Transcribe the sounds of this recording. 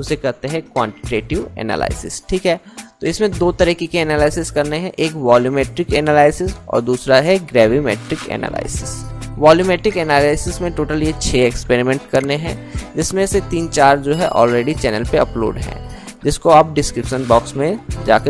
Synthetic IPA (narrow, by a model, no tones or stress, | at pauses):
ʊsekɐɾt̪eɦɛ̃kwãːɳʈɪ̥ʈeːʈɪʋɛ̰ːna̰ːla̰ːɪsɪsʈʰiːkɦɛːt̪oɪsmẽd̪oːt̪ɐɾiːkikeɛːnaːlaːɪsɪskɐɾneɦɛ̃ʔeːkʋaːluːmeːʈɾɪkɛːnaːlaːɪsɪsɔ̰ːɾd̪uːsɾaɦɛɡɾɛːʋimɛ̰ːʈɾɪkɛ̰ːna̰ːla̰ːɪsɪsʋaːluːmeːʈɾɪkɛnaːlaːɪsɪsmẽʈoːʈəljet͡ʃʰeːɛkspeːɾɪmɛ̃ɳʈkɐɾneɦɛ̰̃ːd͡ʒɪsmẽset̪iːnt͡ʃaːɾd͡ʒoːɦɛʔɔ̰ːlɾeːɖit͡ʃɛːnəlpeɐplo̰ːɖɦɛ̰̃ː | d͡ʒɪskoɐb̚ɖɪskɾɪpʃənbɔːksmẽd͡ʒa̰ːke